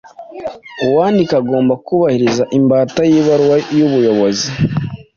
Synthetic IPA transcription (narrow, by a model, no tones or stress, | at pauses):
uwaːndikaɡo̞ːmbakuβahiɾizaʔimbaːtajiːβaɾwajuβujo̞βo̞zi